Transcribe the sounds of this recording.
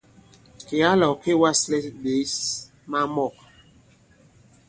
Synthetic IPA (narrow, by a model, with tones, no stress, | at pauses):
ke˨a˦lɔ˨ke˦wa˦slɛ˦be˨˦s | ma˦mɔ˦˨k̚